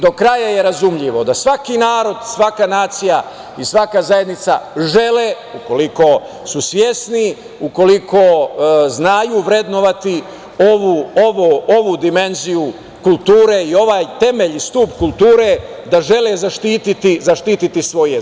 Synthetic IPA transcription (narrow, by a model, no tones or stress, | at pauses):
d̪o̞kɾajaje̞ɾazumʎiʋo̞d̪asʋakinaːɾo̞d̪sʋakanaːt̪sija | isʋakazaje̞d̪nit̪saʒe̞le | uko̞liko̞ | susʋʲje̞sni | uko̞likoznaːjuːʋɾe̞d̪no̞ʋat̪i | oʋuoʋoo̞ʋud̪ime̞nziju | kulˠt̪uːɾeio̞ʋaːjt̪e̞meʎist̪upkult̪uːɾe̞d̪aʒe̞lezaʃt̪iːt̪it̪izaʃt̪iːt̪it̪isʋo̞je